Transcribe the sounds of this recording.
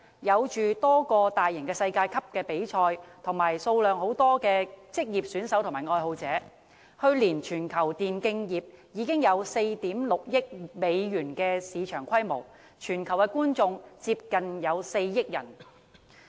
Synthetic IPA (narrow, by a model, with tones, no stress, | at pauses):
jɐ˨˧wt͡ʃyː˨t̪ɔː˥kɔː˧t̪aː˨jːɪ˨˩ŋkɛː˧sɐ˧jkaː˧jkʰɐ˥p̚kɛː˧pe˨˥jt͡ʃʰɔː˧jt̪ʰʊ˨˩ŋmaː˨˩jso˧wlœː˨ŋho˨˥wt̪ɔː˥kɛː˧t͡sɪ˥k̚jiː˨˩p̚syː˨˥nsɐ˨˥wt̪ʰʊ˨˩maː˨˩jŋɔː˧jho˧wt͡sɛː˨˥ | hɵ˧ɥliː˨˩nt͡ʃʰyː˨˩nkʰɐ˨˩wt̪iː˨˩nkɪ˧ŋjiː˨˩p̚jiː˨˧kɪ˥ŋjɐ˨˧wse˧jt̪iː˨˥mlʊ˨k̚jɪ˥k̚me˨˧jjyː˨˩nkɛː˧siː˨˧t͡ʃʰœː˨˩ŋkʷʰɐ˥jmo̰˨˩w | t͡ʃʰyː˨˩nkʰɐ˨˩wkɛː˧˥kuː˥nt͡sʊ˧ŋt͡siː˧p̚kɐ˨njɐ˨˧wse˧jːɪ˥k̚jɐ̰˨˩n